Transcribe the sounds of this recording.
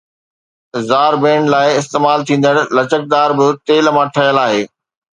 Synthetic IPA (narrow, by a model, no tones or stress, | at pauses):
zaːɾbẽːɳlaːɪɪst̪eːmaːlt̪ʰĩːn̆d̪əɽ̃̆lɐt͡ɕək̚d̪aːɾbɪt̪eːlmãʈʰɐjəlaːɦeː